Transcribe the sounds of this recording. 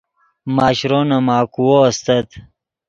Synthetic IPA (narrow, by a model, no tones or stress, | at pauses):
maːɕɾonɐmaːkuwoɐst̪ɐt̪